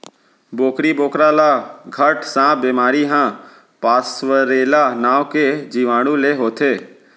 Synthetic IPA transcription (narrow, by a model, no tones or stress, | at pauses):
boːkɾiboːkɾaːlaɡʱəʈsãːbeːmaːɾiɦãː | paːsʋəɾeːlanaːʋked͡ʒiːʋaːɽ̃ũleɦoːt̪ʰeː